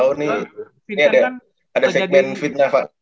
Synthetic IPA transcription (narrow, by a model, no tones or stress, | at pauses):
uni | niada | adasɛɡ̚mɛnfit̪̚nafa̰ʔ